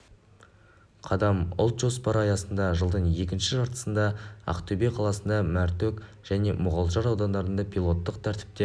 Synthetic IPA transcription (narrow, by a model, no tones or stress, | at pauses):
qʰɑd̪ɑmʊ̰lˠt̪ʒo̞spɑɾɑjɑsənd̪ɑʒəlˠd̪əɴje̞kʲɪnʃɪʒɑɾt̪ə̥sənd̪ɑɑ̰qt̪ʰɵbeqʰɑlˠɑsənd̪ɑmæɾt̪øk | ʒ̥æne̞mʊʁɑlˠʒɑɾɑwd̪ɑnd̪ɑɾənd̪ɑpʰilˠo̞t̪ːəq̚t̪ʰæɾt̪ɪ̥p̚t̪e